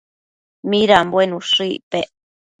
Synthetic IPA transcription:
miɾambwenũʂipeʔ

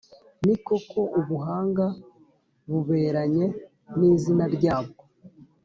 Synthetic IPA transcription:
niko̞ko̞ʔuβuɦaːŋɡa | βuβe̞ːɾaɲe̞ | niːzinaɾɟaːb̚ɡo

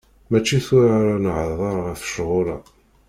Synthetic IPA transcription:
mæt͡ʃːiθʊɾaɾanʕðˤɑɾˤəθə̥ʃʁʊɾɑ̰

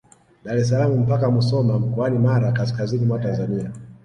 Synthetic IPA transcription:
ɗaɾɛs̬alamum̩pakamusɔmam̩kɔanimaɾakas̬kazinimwatanzania

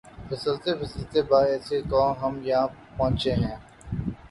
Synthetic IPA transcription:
pʰɪsəlt̪epʰɪsəlt̪ebaːɛːsekɔ̃ːmɦəmjɐɦãːpɔɦʊ̃t͡ʃeɦɛ̃ː

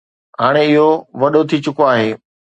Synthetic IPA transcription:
ɦaːɽ̃eɪɦoʋɐɗot̪ʰit͡ɕʊkoaːɦeː

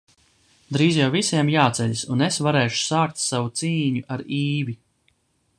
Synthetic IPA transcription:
d̪ɾiːzjawvisiɛmjaːt̪sɛʎʲsunesvaɾɛːʃu̥saːk̚t̪savut̪siːɲuʔaɾiːvi

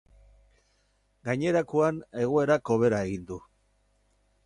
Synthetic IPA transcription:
ɡaɲe̞ɾakoane̞ɣ̞oe̞ɾako̞β̞e̞ɾae̞ɣind̪u

